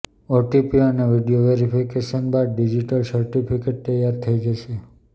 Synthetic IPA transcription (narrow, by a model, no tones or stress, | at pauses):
oʈipiəneʋiɖijoʋeɾipʰikeʃənbad̪ɖid͡ʒiʈəlsəɾʈipʰikeʈ̚t̪əjːaɾt̪ʰəid͡ʒəʃe